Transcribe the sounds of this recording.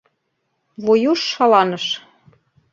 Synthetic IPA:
vojoʃːɑlɑnəʃ

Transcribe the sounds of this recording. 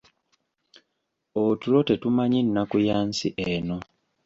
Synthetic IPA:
otuɾotetumaɲinːakujaːnsḭʔeno

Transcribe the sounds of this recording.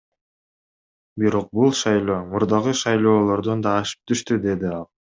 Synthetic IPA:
biɾo̞q̚bulˠʃɑjlˠo̞ːmuɾd̪ɑʁɯʃɑjlˠo̞ːlˠo̞ɾd̪ond̪ɑːʃɯ̥p̚t̪ʰyʃt̪yd̪e̞d̪iɑlˠ

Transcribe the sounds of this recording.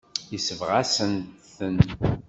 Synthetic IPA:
jəsəvʁasənθən

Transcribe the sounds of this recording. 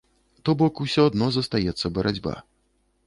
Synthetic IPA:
t̪ɔbɔkusʲɔad̪nɔzɐst̪ajɛt̪sːɐbɐɾʔad͡zʲba̰

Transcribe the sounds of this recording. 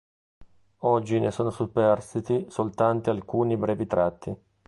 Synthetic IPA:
ɔd͡ʒːinʔesoːnosupːɛrst̪it̪isolt̪ant̪ialkuːnibɾɛːvit̪ɾat̪ʰːi

